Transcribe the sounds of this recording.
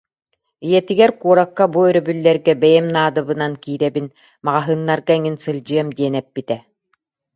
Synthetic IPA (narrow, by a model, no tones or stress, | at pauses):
ijɛt̪iɡɛɾkuɔɾakːabuœɾœbylːɛɾɡɛbɛjɛmnaːd̪ɯβɯnankiːɾɛbin | maʁaɦɯːnːaɾɡaŋinsɯlʲd͡ʑɯɐmd̪iɛnɛpːit̪ɛ